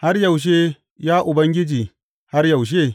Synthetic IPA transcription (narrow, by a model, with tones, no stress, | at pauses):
ha˦rjɐ˨wʃ̬eː˦ | jaː˦ʔʊ˨bɐ˦ŋɡʲɪ˦d͡ʒiː˨ | ha˦rjɐ˨wʃ̬eː˦˨